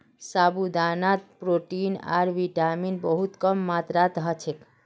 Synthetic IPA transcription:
saːbud̪anat̪̚pɾoʈina̰ɾʋiʈaminbəɦut̪kəmːat̪ɾat̪ɦət͡ʃʰek

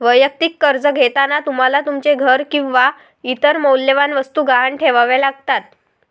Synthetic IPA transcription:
ʋəjək̚t̪ikːəɾd͡zəɡʱet̪anat̪um̤alat̪umt͡seɡʱəɾkĩʋa | it̪əɾmowlːeʋanʋəst̪uːɡaɦəɳʈʰeʋaʋelaɡ̚t̪at̪̚

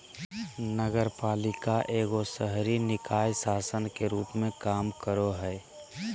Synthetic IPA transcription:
nəɡəɾpaːlɪkaʔeːɡosəɦɾinɪkaːjsaːsənkeɾuːpmẽkaːmkəɾoɦɛː

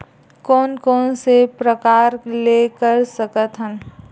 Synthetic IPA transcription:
kɔːnkɔːnsepɾəkaːɾlekəɾsəkət̪ɦən

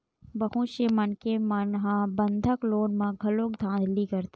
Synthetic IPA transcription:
bəɦũʃemɐnkemɐnɦãbə̃nd̪ʱəkloːnmãɡʱɐloːkd̪ʱãːd̪likəɾt̪

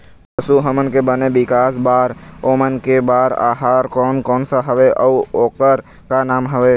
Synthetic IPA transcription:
pəsuɦəmənkebənebɪkaːsbaːɾoːmənkebaːɾa̰ːɦaːɾkɔːnkɔːnsaɦəʋeʔɔːoːkəɾ | kanaːmɦəʋeː

